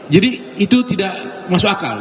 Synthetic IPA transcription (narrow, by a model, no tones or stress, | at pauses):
d͡ʒadi | it̪ut̪idaʔmasʊaka̰l